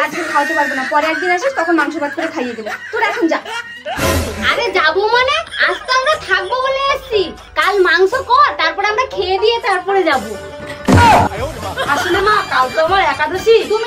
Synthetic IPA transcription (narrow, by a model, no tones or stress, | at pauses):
ad͡ʑkʰeɾkʰawt̪epaɾbɔnapɔɾeaɡ̚d̪iɾeeʃist̪ɔkʰɔnmaŋsɔɾbad̪̚kuɾet̪ʰajeɡ̪ilet̪uɾɛkʰond͡ʒa | a̰ɾed͡ʒabumaneast̪ɔamɾat̪ʰak̚bɔboleast͡ʃi | kalmaŋsɔkɔɾt̪aɾpɔɾeamɾakʰed̪iet̪aɾpɔɾed͡ʒabu | aʃunamakawt̪ɔmaɾɛkad̪ɔsit̪um